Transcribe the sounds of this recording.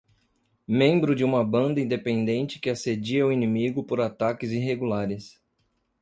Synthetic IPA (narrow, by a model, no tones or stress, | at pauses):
mẽmbɾʊd͡ʒɪũmɐbɐ̃nd̪ɐĩd̪epẽnd̪ẽnt͡ʃɪ̥kɪased͡ʒiɐwinĩmiɡʊpoɾat̪akɪziɦeɡulaɾɪs